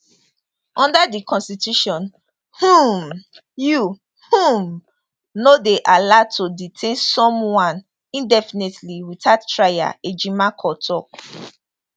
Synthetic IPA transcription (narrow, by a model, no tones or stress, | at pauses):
ʔɔ̃ndadikʰɔ̃nstitjuʃɔ̃n | hũm | ju | hũm | nodeʔalatʰoditʰẽnsɔ̃mwãn | ĩndɛfinetliwitattːɹaja̰ed͡ʒimakʰɔtʰɔ